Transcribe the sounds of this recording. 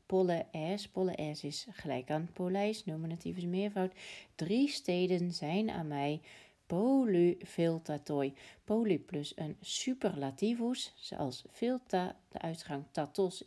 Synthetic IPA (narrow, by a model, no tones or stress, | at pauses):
poləʔɛspɔlə̰ʔɛsɪsχəlɛjkanpʰolɛjsnumənətivəsmɪəɹfawtd̥risteːdənzɛjna̰ːnmɛj | polyfɪlˠtʰatojpowlypløsənsypərlativussʔa̰lˠsfɪlˠtḁə̰ʔœɥtχaŋtatos